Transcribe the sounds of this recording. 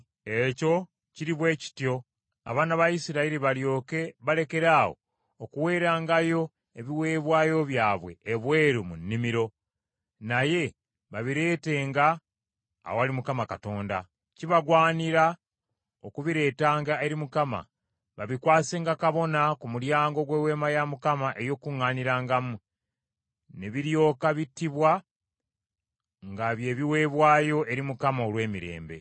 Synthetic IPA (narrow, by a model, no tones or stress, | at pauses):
e̞co̞ | ciɾiβwe̞ːci̥tjo̞ | a̰βaːnaβaisiɾaiɾiβaljo̞ːke̞βale̞ke̞ɾaːwo̞̰ː | kuwe̞ːɾaːŋɡajo̞ | eβiwe̞ːβwaːjo̞βjaːβwe̞̰ːβwe̞ːɾumunːimiɾo̞ | naje̞ | βaβiɾe̞ːte̞ːŋɡa̰ː | owalimukamakato̞ːnda̰ | ciβaɡwaːniɾa | okuβiɾe̞ːtaːŋɡae̞ɾimukama̰ | βaβikwaːse̞ːŋɡakaβo̞nakumuɾjaːŋɡo̞ɡwe̞we̞ːmajamukamaʔe̞jo̞ːkuŋːaːniɾaːŋɡamu | neβiɾjo̞ːkaβitːiβwa | ŋɡaβje̞ːβiwe̞ːβwaːjo̞ʔe̞ɾimukamaolwe̞ːmiɾe̞̰ːmbe̞̰